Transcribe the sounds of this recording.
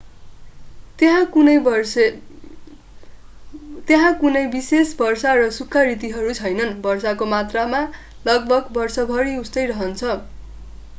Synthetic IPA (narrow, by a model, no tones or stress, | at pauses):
t̪ɦãunʌj | t̪eɦãkunʌjbisesbʌrsarʌsukʰːʌrit̪iɦʌɾut͡sʰʌjnʌnbʌrsakomat̪rama | lʌɡbʱʌɡbʌrsʌbʱʌɾiust̪ʌjrʌɦʌnt͡sʰʌ